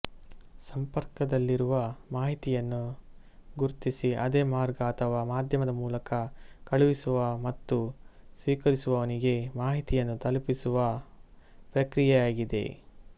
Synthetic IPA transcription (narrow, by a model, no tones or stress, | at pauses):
sɐmpɐɾkɐd̪ɐlːiɾuʋɐmaːɦit̪ijɐnːu | ɡuɾt̪isiʔɐd̪eːmaːɾɡɐːt̪ʰɐʋaːmaːd̪ʱjɐmɐd̪ɐmuːlɐkɐkɐɭuʋisuʋɐmɐt̪ːusʋiːkɐɾisuʋɐʋɐniɡe̞maːɦit̪ijɐnːut̪ɐlpisuʋɐ | pɾɐkɾijɛjaːɡid̪e̞̰